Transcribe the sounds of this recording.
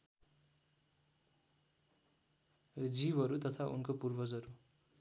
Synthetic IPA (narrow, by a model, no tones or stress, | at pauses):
d͡zibʱʌɾut̪ʌt̪ʰaʔṵnkopurbʱʌd͡zʌɾu